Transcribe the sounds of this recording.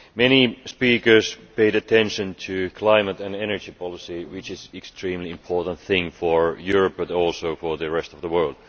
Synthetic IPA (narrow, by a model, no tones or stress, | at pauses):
mɛnispiːkə˞speɪɾɨtʰɛ̃nʃɨ̃ntʰɨkʰl̥ãɪmətæ̃nɛnə˞d͡ʒipʰɑlˠɪsiwɪt͡ʃɪzɛkstɹ̥ĩːmliɪ̃mpʰɔɹtə̃n̩t̪θɪ̃ŋfəɹjʊɹəp̚bətɔlˠsoʊfəɹðɨɹɛstʌvðəwɜ˞lˠd̥